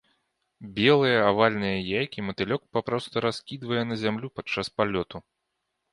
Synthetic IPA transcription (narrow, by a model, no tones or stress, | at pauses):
bʲɛlˠɨjɐavalʲnɨjɐjajkʲimɐt̪ɨlʲɔkpapɾɔst̪ɐɾaskʲid̪vɐjɐnɐzʲamlʲupat͡ʂːaspalʲɔt̪u